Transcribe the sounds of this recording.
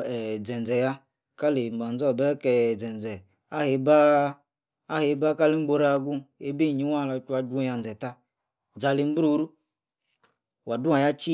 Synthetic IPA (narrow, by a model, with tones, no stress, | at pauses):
ɛ˨d͡zɛ˨n˨d͡zɛ˨ja˦ | ka˦le˨ŋ͡m̩˨ɡ͡ba˨n̩˦d͡zɔ˦˨bɛ˦kɛ˨d͡zɛ˨n˨d͡zɛ˨ | a˦he˨baː˦ | he˨˦ba˦ka˦li˦ŋ͡m̩˦ɡ͡bo˨ɾa˨ɡu˦e˦be˦˨ɲi˦wa˦˨la˧˦t͡ʃu˦a˨˦du˦ja˧˨n̩˨d͡zɛ˨ta˦ | d͡za˨li˨m̩˦bɾo˦ɾu˦ | wa˨du˦a˨ja˦t͡ʃi˦